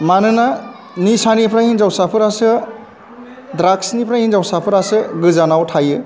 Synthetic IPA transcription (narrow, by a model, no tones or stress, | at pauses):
manɯna | nisanipʰɾahinzawsapʰɯɾasɯ | dɾaksnipʰɾahinzawsapʰɯɾasɯɡɯzanawtʰajɯ